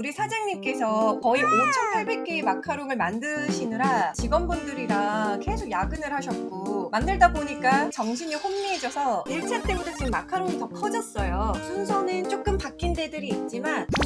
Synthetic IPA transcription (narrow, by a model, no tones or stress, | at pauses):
uɾisʰad͡ʑaŋɲimk͈e̞sʰʌkʌiot͡ɕʰʌnpʰaɭbe̞k̚k͈emakʰaɾoɡɯɭmandɯɕʰinɯɾat͡ɕiɡʌnbundɯɾiɾake̞sʰokjaɡɯnɯɭhaɕʰʌt̚k͈omandɯɭdaboɲik͈at͡ɕʌŋɕʰiɲiɸomːied͡ʑʌsʰʌiɭt͡ɕʰat͈e̞munet͡ɕiɡɯmːakʰaɾoŋɯitʌkʰʌd͡ʑʌs͈ʌjosʰunsʰʌnɯnt͡ɕ͈ok͈ɯmpak͈inde̞dɯɾiːt̚t͡ɕ͈iman